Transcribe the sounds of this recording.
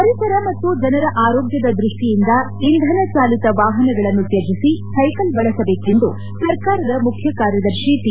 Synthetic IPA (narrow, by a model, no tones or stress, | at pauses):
pɐɾisɐɾɐmɐt̪ːud͡ʒɐnɐɾɐʔaːɾoːɡjɐd̪ɐd̪ɾuʂʈijind̪ɐ | ind̪ʱɐnɐt͡ʃaːlit̪ɐʋaːɦɐnɐɡɐɭɐnːut̪jɐd͡ʒisisɐjkɐlbɐɭɐsɐbe̞ːke̞nd̪u | sɐɾkaːɾɐd̪ɐmukʰjɐkaːɾjɐd̪ɐɾʃit̪i